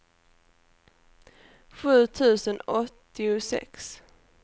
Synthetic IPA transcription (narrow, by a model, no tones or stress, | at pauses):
ɧʉ̟ːt̪ʰʉ̟ːsənɔt̪ːɪʊsɛ̰ks